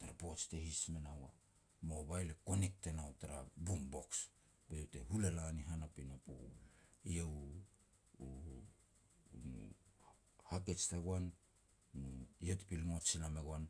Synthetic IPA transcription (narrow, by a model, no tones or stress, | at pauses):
taɾapo̞t͡ʃtehismenawa | moβajleko̞nik̚tenawtaɾabumbo̞ks | bete̞ɦule̞laniɦanapinopṵiew | u | mṵ | hake̞t͡ʃtaɡwan | nujetpilŋo̞t͡ʃilameɡwan